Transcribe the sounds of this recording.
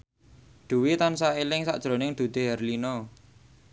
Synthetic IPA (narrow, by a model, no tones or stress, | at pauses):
ɖ̪̥ṳwit̪ansaelɪŋsa̰ʔd̥ʒ̥ɾo̤nɪŋd̪̥ṳd̪̥e̤ɦɛrlinɔ